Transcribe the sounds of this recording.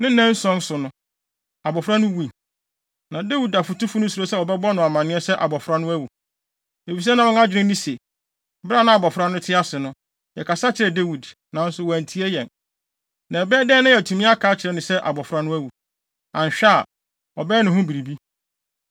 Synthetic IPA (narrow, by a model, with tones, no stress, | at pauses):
nɪ̃˦n̩˦nɛ̃˦n̩˦sɔ̃˦n̩˦sʊ˨nʊ̃˦ | a˨bɔ˨fɾa˦nʊ̃˦wu˦i˨ | nã˨de˦wi˨da˨fu˨tu˦fu˦nʊ̃˦su˨ɾo˦sɛ˦wɔ˨bɛ˦bɔ˦nʊ̃˨a˨mã˨nɪ̃˦ɛ˦sɛ˦ʔa˨bɔ˨fɾa˦nʊ̃˦æ˦wu˨ | e˨fi˨s̬ɛ˦nã˨ɔ̃˦n˦a˦d͡ʑɪ˨ɾɪ̃˦nĩ˦se˨ | bɾa˦˨nã˦a˨bɔ˨fɾa˦nʊ̃˦tʰɪ˦a˦sɪ˨nʊ̃˦ | jɛ˨kʰa˨sa˦t͡ɕʰɪ˨ɾɛ˨de˦wi˨d | nã˨n̩˦sʊ˨wɔ˨æ˨n˨tʰi˨˦ɛ˦jɛ̃˨n | nã˨ɛ˨bɛː˦dɛː˦nã˦jɛ˨tʰũ˨mĩ˦a˦kʰaː˨˦t͡ɕʰɪ˨ɾɛ˨nʊ̃˨sɛ˦ʔa̰˨bɔ˨fɾa˦nʊ̃˦æ˦wu˨ | ã˨ɲ˨ɕᶣa˦˨ | ɔ˨bɛː˦nʊ̃˨hʊ̃˦bi˨ɾi˨bi˦